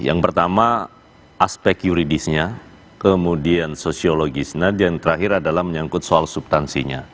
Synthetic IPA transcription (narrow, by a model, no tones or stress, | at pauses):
ja̰ŋpərt̪ama | ʔaspɛkjuɾidisɲa | kəmudiansosioloɡisnadjaŋt̪əɾaɦɪɾadalahməɲaŋkʊt̪soalsubst̪ansiɲa̰